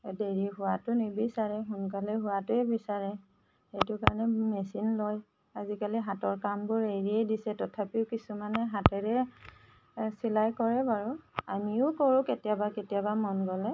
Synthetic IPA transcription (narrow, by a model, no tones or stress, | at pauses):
deɹiɦʊwatʊnibisaɹɛɦʊnkaliɦʊwatʊɛbisaɹɛ | xejtʊkaɹɔnɛmesinlɔj | azikaliɦatɔɹkambʊɹeɹiɛdisɛtɔtʰapiʊkisumanɛɦatɛɹɛ | silajkɔɹɛbaɹʊa̰miʊkɔɹʊ̃ketijabaketijabamɔnɡɔlɛ